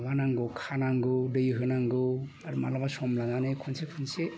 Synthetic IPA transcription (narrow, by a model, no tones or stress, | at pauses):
banaŋɡɯkʰanaŋɡɯdɯjɯɦɯnaŋɡɯ | aɾuma̰labasɔmlananɯjkʰɔnsekʰɯnse